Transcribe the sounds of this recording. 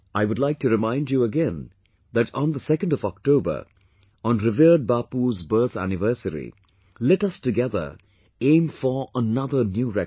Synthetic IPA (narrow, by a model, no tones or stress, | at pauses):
aɪwʊdlaɪk̚tɨɾɪmãɪ̃nd͡ʒjuəɡɛ̃n | ðætɔ̃n̩d̪əsɛkə̃ndɔvɔk̚toʊbə̰˞ | ɔ̃nɾɪvid̚baːpuzbɜ˞t̪ʰæ̰nɪvɜ˞səɾḭ | lɛʈʌstɨɡɛðə̰˞ | ẽɪ̃mfə˞ənʌðə˞njuːɹɛ